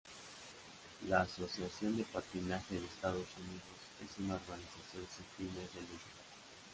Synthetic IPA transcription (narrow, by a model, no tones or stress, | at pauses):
laːso̞sjasjo̞nd̪epat̪inaxe̞ðest̪aðo̞suniðo̞se̞sunao̞ɾɣanisasjo̞nsifinezðelest̪a